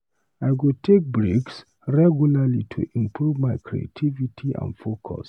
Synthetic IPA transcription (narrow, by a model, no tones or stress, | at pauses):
aɪɡutʰek̚bɹiks | ɹɛɡjulalitʰṵʔĩmpʰɹuvmajkʰɹḭḛtʰivitʰiʔã̰ndfokʰɔ̰s